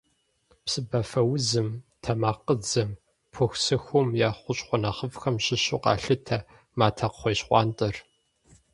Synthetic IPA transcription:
psɨbɐfɐwʊzɨmtʰɐmaːqəd͡zɐm | pʰʊxsɨxʷʊmjaːχʷʊɕʼχʷʊnɐχəvxɐmɕɪɕṵːqɑ̰ːɬɨtʰɐ | maːtʰɐqχʷeːɕχʷɑ̰ːntʼɐr

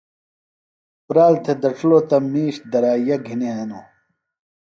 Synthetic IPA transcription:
pɾaːlt̪ʰed̪ɐʈ͡ʂʰlot̪ɐmiːɕd̪ɐɾaːjɐɡʱiniɦɐnoː

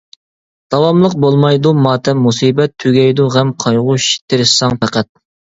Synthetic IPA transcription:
d̪̥ɑwɑmlˠəq̚bolˠmɑjd̪umɑːt̪ʰɛmːusiːbɛt̪ʰːyɡʲɛjd̪uʁɛmqʰɑjʁʊʃi̥t̪ʰɪɾɪʃsɑŋpɛqæt̪̚

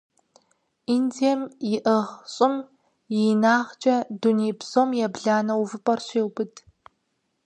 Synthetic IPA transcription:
indiɛmjɪʔəʁɕʼɪm | jɪnaːʁt͡ʃʼɐduniːbsomjɛbɮaːnɐwuvɨpʼɐrɕʷiːwbɨtʰ

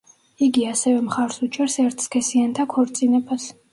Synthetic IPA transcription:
iɡiasɛvɛmχaɾsut͡ʃʰʼɛɾsɛɾt̪ʰskʰɛsiant̪ʰakʰɔɾt̪sʼinɛbas

